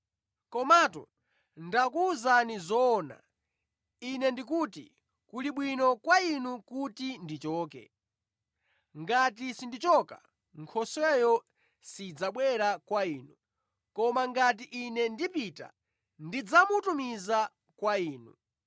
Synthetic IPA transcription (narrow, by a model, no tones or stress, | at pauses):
kɔmaːtɔ̰ | ndakuzanizɔːna̰ | inɛndik̬uːtḭ | kuliɓwinɔkwainukutindit͡ʃɔːkɛ̰ | ŋɡat̬isindit͡ʃɔka̰ | ŋkʰɔswɛjɔ | sid͡zaɓwɛɾakwaiːnu | kɔmaŋɡat̬iʔinɛndipita̰ | ndid͡zamutumiza | kwaiːnṵ